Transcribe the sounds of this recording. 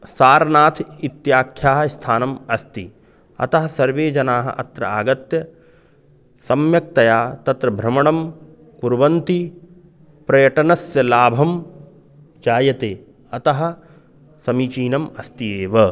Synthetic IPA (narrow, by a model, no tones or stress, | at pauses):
saːɾɐnaːt̪ʰit̪jaːkʰjaːɦɐst̪ʰaːnɐmɐst̪i | ɐ̰t̪ɐɦɐ̆sɐɾʋeːd͡ʒɐnaːɦɐ̰ʔɐt̪ɾɐ̰aːɡɐt̪jɐ | sɐmjɐk̚t̪ɐjaːt̪ɐt̪ɾɐbʱɾɐmɐɳ̃ɐm | kuɾʋɐnt̪i | pɾɐjɐʈɐnɐsjɐlaːbʱɐm | t͡ʃaːjɐt̪eː | ɐt̪ɐɦɐ̆ | sɐmit͡ʃiːnɐmɐst̪ijeːʋɐ